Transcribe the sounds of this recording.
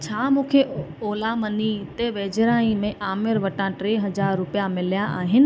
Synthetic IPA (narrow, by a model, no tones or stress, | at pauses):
t͡ɕʰaːmũːkʰeoːlamɐnit̪eʋeːd͡ʑɾaːĩmẽʔaːmɪɾʋɐʈãʈɾeɦɐzaːɾːʊpijamɪljaʔaːɦɪnɪ̆